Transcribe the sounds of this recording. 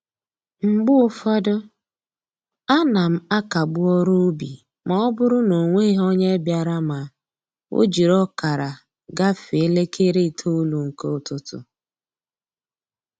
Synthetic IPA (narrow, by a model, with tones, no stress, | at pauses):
ŋ͡m̩˨ɡ͡bʊ˦ʊ˦fɔ˦dʊ˦ | a˦na˨m̩˦a˦ka˨ɡ͡bʊ˦ɔ˦ɾu˦bḭ˨ | ma˨ɔ˦bʊ˦ɾʊ˦no˨ŋʷe˦i˦ɦɔ˦ɲe˦bja˨ɾa˦ma˨ | o̰˦d͡ʒi˨ɾɔ˦ka˨ɾa˨ | ɡa˦fi˨e˦le˦kʰe˦ɾe˦˨tʰo˦u˦lu˨ŋ̩˨ke˦ʊ˦tʊ˦tʊ̰˨